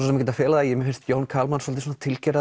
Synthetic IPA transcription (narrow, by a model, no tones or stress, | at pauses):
sɔmcɛt̪afɛːlaðajɛmɛfɪnst̪joːwnkʰaːlmansɔlt̪ɪsɔnat̪ʰɪlcɛɾa